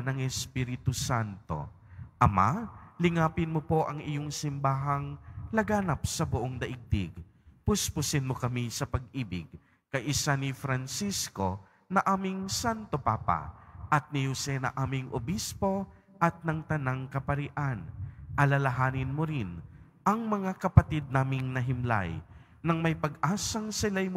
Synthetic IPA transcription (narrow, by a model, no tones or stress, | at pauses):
nɐŋɛspiːɾɪt̪ʊsant̪o̞̰ | ʔɐma̰lɪŋaːpɪnmopo̞ʔɐŋʔɪjoŋsɪmbaːɦɐŋlɐɡaːnɐp̚sɐbʊʔoŋd̪ɐʔɪɡ̚d̪ɪ̰ɡ | pʊspʊsɪnmokɐmisɐpɐɡ̚ʔiːbɪɡ | kɐjʔɪsanɪfɾɐnsisko̞ | nɐʔaːmɪŋsant̪opa̰ːpa̰ʔɐt̪̚nɪhʊsɛnɐ̰ʔaːmɪŋʔo̰bispo̞ | ʔɐt̪̚nɐŋt̪ɐnaŋkɐpɐɾɪʔanʔɐlɐlɐɦaːnɪnmoɾɪn | ʔɐŋmɐŋakɐpɐt̪id̪̚naːmɪŋnɐɦɪmla̰j | nɐŋmɐjpɐɡʔaːsɐŋsɪlajm